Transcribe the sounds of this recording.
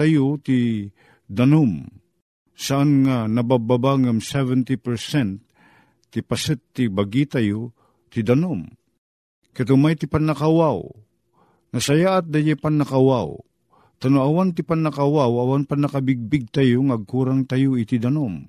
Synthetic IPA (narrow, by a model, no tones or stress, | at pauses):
t̪ajot̪i | d̪anom | saʔanŋanɐbababaŋamsɛvɛnt̪ipɛɾsɛnt̪ː | ipasɨt̪ːibaɡit̪ajo | t̪id̪anom | kɛt̪omajt̪ipanakawaw | nɐsajaʔːt̪̚d̪ajɛpanːɐkawaw | t̪anoawant̪ipanakawawawanpanːakabiɡ̚biɡ̚t̪ajoŋaɡ̚kuɾaŋt̪ajoit̪id̪anom